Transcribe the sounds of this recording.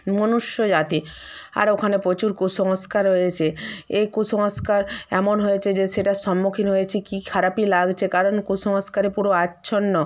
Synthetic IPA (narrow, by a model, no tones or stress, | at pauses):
monuʃjod͡ʑat̪ia̰ɾokʰanepɾot͡ɕuɾkuʃɔŋoskaɾɦojet͡ɕʰeejkusɔŋoskaɾɛmonɦojet͡ɕʰed͡ʑeʃeʈaʃɔmːukʰinɦojet͡ɕʰikikʰaɾapilaɡt͡ɕʰekaɾonkuʃɔŋoskaɾepuɾoatːɕʰonːɔ